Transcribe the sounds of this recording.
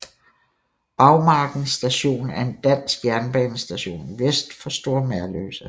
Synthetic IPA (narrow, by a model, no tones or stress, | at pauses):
b̥ɑ̈ʊmɑ̈ːɡ̥n̩sd̥æɕo̝̰ːnæɐe̝nd̥æn̰sɡ̥jæɐnb̥ɛːnəsd̥æɕo̝̰ːniʋesd̥fɒ̽sd̥o̝ɐ̰mæɐlø̰ːsə